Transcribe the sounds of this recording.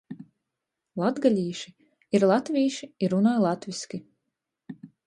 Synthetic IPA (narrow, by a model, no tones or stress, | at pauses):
lˠad̪ɡalʲiːʃi | iɾlˠat̪vʲiːʃiiɾunaːjlˠat̪vʲiskʲi